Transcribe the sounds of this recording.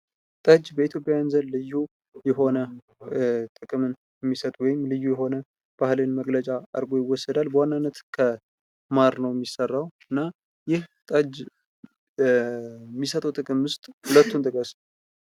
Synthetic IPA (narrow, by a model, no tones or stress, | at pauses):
t̪ʼəd͡ʒbəit̪ʰjo̞pʼjajanzənlɨjːu | jɛɦo̞nə | t̪ʼɨkʼɨmɨn | jɛmːisət̪ʼwɔjɪmlɨjːujɛho̞nə | b̥ahlɨnməɡlət͡ʃʼaʔə̰ɾɡo̞jɪwɔsːəd̪albəwanːanːət̪kʰə | maɾnəwjɛmːisərːawɨnːa | jɪht̪ʼəd͡ʒ | mːisət̪ʼuwt̪ʼɨkʼɨmwʊst̪ʼhɨlət̪ːunt̪ʼɨkʼəs